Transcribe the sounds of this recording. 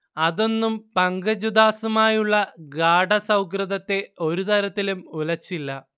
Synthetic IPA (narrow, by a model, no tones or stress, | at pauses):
ɐðo̞nːumpɐŋɡɐd͡ʑud̪aːsumaːjuɭːɐɡaːɖɐsɐwkrɨðɐt̪ːe̞o̞ɾut̪ɐɾɐt̪ːilumulɐt͡ɕːilːɐ